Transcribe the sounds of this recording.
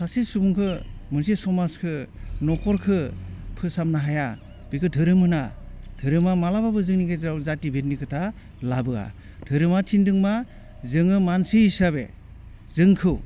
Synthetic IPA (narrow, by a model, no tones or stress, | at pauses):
sasesubuŋkʰɯmɯnsesɔmaskʰɯnɔkʰɔɾkʰɯpʰɯsamnaɦaja | b̥ikʰɯdʰʱɯɾɯmɯnadʰɯɾɯmamalababɯzɯŋniɡajzɾawzatibʱetnikʰɯtʰa | labɯa̰ | dʰɯɾɯmatʰindɯŋma | zɯŋɯmansiisaβḛ | zɯŋkʰɯw